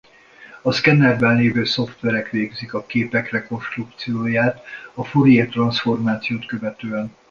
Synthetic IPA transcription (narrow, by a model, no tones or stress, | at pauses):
ɒskɛnɛrbɛnleːvøːso̞ft̪ʋɛɾɛkʋeːɡzikɒkeːpɛkrɛko̞nʃt̪ruk̚t̪sijoːjaːt̪ɒfoɾijet̪rɒnsfo̞rmaːt̪sijoːt̪kø̞vɛt̪øːɛn